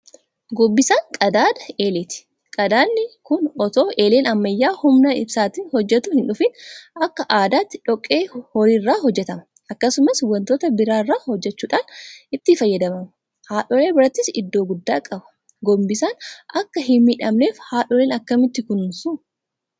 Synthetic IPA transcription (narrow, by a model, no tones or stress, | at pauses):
ɡɔbːɪsaːŋkʼɐd̪aːd̪ɐeːlɪt̪ɪ̥ | kʼɐd̪aːnːɪkʊnɔt̪o̞ːʔe̞ːleːnɐmːɐjːaːhʊmnɐɪ̰bsaːt̪iːnhɔd͡ʒːɛt̪ʊhɪnᶑʊfɪnʔɐkːɐʔaːd̪aːt̪ːɪᶑɔkʼːe̞ːhɔɾiːrːaːɦɔd͡ʒːɛt̪ɐmɐ | ʔɐkːɐsʊmɐswɐnt̪oːt̪ɐbɪɾaːrːaːhɔd͡ʒːɛt͡ʃːuːᶑaːnɪt̪ːɪfɐjːɐd̪ɐmɐm | haːᶑɔɾe̞ːbɪɾɐt̪ːɪsɪ̰d̪ːo̞ːɡʊd̪ːaːkʼɐbɐ̥ | ɡɔbːɪsaːnʔɐkːɐhɪmmiːᶑɐmne̞ːfhaːᶑɔɾeːnɐkːɐmɪt̪ːɪkʊnsʊ